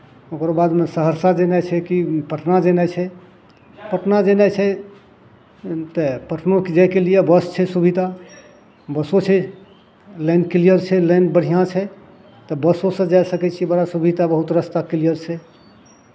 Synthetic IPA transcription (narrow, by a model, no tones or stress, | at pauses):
okɾbad̪mesəɦəɾsad͡ʒenajt͡ʃʰɛkipəʈʰnad͡ʒenajt͡ʃʰɛ | pəʈʰnad͡ʒenajt͡ʃʰɛ | t̪əpəʈʰnoked͡ʒajkelijebəst͡ʃʰɛsubʱid̪ʱa | bəsot͡ʃʰɛ | lɛɪnkilijəɾt͡ʃʰɛlɛjnbəɽ̤ijãt͡ʃʰɛ | t̪əbəsosə̃d͡ʒajsəkɛt͡ʃʰibəɽasubʱid̪abəɦut̪ɾəst̪akilijəɾt͡ʃʰɛ